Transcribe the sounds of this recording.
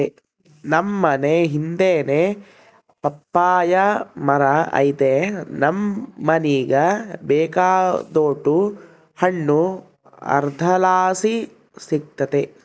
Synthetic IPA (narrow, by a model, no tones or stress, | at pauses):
e | nɐmːɐneɦind̪eːne | pɐpːaːjɐmɐɾɐɐ̰jit̪enɐmːɐniːɡɐbeːkaːd̪oːʈu | hɐɳːu | ɐ̰ɾd̪ʱɐlaːsi | sik̚t̪ɐt̪e